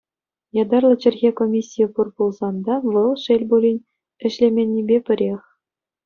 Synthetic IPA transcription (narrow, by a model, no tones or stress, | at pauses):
jɑd̪ɑrlˠɤ̆t͡ɕɘ̆rʲɣʲekomʲisʲːijəpurbulˠzɑnd̪ɑʋɤ̆lˠʂelʲbulʲinʲ | ɘ̆ɕlʲemʲenʲːibʲepʲɘ̆ɾʲexʲ